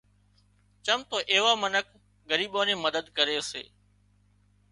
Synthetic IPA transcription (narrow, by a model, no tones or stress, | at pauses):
t͡ʃəmt̪oːʔeːʋaːmənək̚ | ɡəɾiːɓoːnẽːməd̪əd̪kəɾeːsḛː